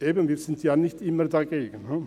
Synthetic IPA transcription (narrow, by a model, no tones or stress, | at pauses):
eːbən̩viːɾz̥ɪntjaːnɪçtɪmədaɡeːɡən̩ə